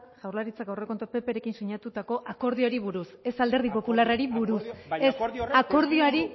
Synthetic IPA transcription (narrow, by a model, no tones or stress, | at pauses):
ʝawrlaɾit͡sakɡawre̞ko̞nt̪ope̞pe̞ɾe̞kinsuɲat̪ut̪ako̞ʔako̞ɾð̞ioɾiβuɾuse̞sald̪e̞ɾð̞ipo̞pularaɾiβuɾusesako̞ɾðioaɾi